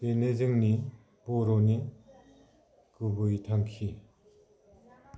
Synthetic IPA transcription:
tenezɯŋni | boɾoni | kubuitʰaŋkʰi

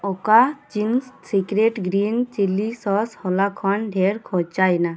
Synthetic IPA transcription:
ɔkat͡ʃinssikɾeʈɡɾint͡ʃilisɔshɔlakʰɔnɖʱɛɾkʰɔt͡ʃajna

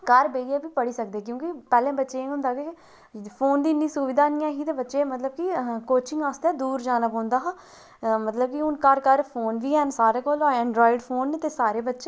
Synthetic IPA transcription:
kəɾbeːiɛːbiːpəɽiːsəkd̪eːkjõːkipɛːlɛ̃ːbətːʃeːẽʊ̃nd̪aːke | pʰoːnd̪iːnːiːsʊʋɪd̪aːnɪjãːɦiːt̪eːbətːʃeːmət̪ləb̚kikoːt͡ʃɪ̃ŋɡaːst̪ɛːd̪uːɾd͡ʒaːnaːpɔ̃ːnd̪aːɦaː | mət̪ləb̚kiʊnkəɾkəɾpʰoːnʋiːɦɛːnsaːɾeːkoːloːɛ̃ːɳɖɾɔːɪɖpʰoːnːt̪eːsaːɾeːbətːʃeː

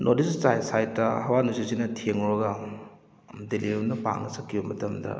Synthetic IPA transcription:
nʔodist͡ʃajsajtːɐhɐwanusizinɐtʰieŋoɾɐɡɐ | deliɾunɐpa̰ŋnɐsɐkʰːijumɐtɐmdɐ̰

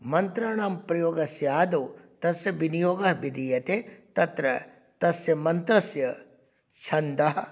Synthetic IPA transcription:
mɐnt̪ɾɐːɳ̃aːmpɾɐjoːɡɐsjaːd̪oːt̪ɐsjɐʋinijoːɡɐɦbid̪iːjɐt̪et̪ɐt̪ɾɐ | t̪ɐsjɐmɐnt̪ɾɐsjɐ | t͡ʃʰɐnd̪ɐɦɐ

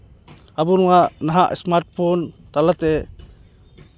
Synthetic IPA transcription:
abunuŋanaɦaʔɛ̰smaɾt̚pʰɔnt̪alat̪ɛ

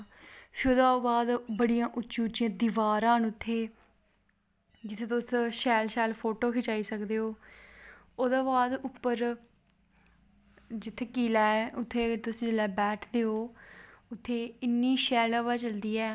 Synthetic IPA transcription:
pʰɪɾoːd̪aːbaːd̪bəɽijãːʔʊːʃʊt͡ʃãːd̪ɪʋaːɾãːɦnʊt̪ʰːeː | d͡ʒɪt̪ʰːeːt̪ʊsʃɛːlʃɛːlpʰoːʈoːkʰɪt͡ʃaːiːsəkd̪eːɦoː | oːd̪aːbaːd̪ʊpːəɾ | d͡ʒɪt̪ʰːeːkiːlaːɛːʊt̪ʰːeːt̪ʊsd͡ʒɪlɛːbɛːʈʰd̪eːɦoːʊt̪ʰːeːɪnːiːʃɛːlaːbaːt͡ʃəld̪iːɛː

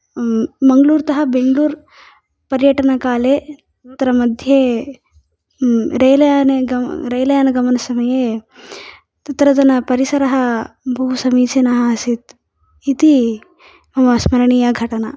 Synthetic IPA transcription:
mɐŋɡɐluːɾt̪ɐɦɐ̆beŋɡluːɾ | pɐɾjɐʈɐnɐkaːleː | t̪ɐɾɐmɐd̪ʱje | ɾɐjlɐjaːneɡɐɾɐjlɐjaːnɐɡɐmɐnɐsɐmɐjeː | t̪ɐt̪ɾɐd͡ʒɐnɐpɐɾisɐɾɐɦɐbʱuusɐmiːt͡ʃenɐɦɐɐsit̪ | it̪i | ɐʋɐsmɐɾɐɳijɐɡʱɐʈɐnɐ

